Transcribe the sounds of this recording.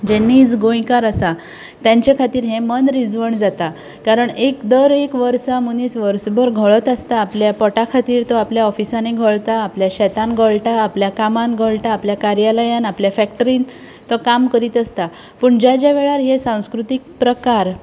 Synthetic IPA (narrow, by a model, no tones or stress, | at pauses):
d͡ʑɛnːiːt͡sɡõjkaɾəsa | t̪jãɲt͡ɕakʰat̪iːɾɦẽmənɾid͡zʋəɳd͡zat̪a | kaɾəɳekd̪əɾekʋəɾsamunit͡sʋəɾsbəɾɡʱəɭət̪ast̪aːpljapɔʈakʰat̪iːɾt̪ɔapljaɔfisaneɡʱəɭt̪aːpljaɕɛt̪ãnɡʱəɭʈaːpljakamanɡʱəɭʈaːpljakaɾjaləjãnapljafækʈəɾin | t̪ɔkamkəɾiːt̪əst̪a | pəɳd͡ʑad͡ʑaʋeɭaɾɦesãw̃skɾut̪ik̚pɾəkaɾ